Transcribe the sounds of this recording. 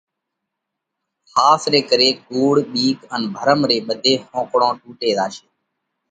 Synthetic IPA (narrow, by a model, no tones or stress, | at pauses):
xaːsɾeːkəɾeːkuːɽɓiːkənbʱəɾəmɾeːɓəd̪ʱeːhõːkɽõːʈuːʈeːd̪aːʃeː